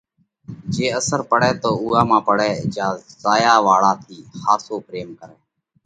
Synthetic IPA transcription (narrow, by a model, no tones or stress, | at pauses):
d͡ʒeːəsəɾpəɽɛːt̪oːuːaːmãːpəɽɛːd͡ʒaːzaːjaːʋaːɭaːt̪ʰiːxaːsoːpɾeːmkəɾɛː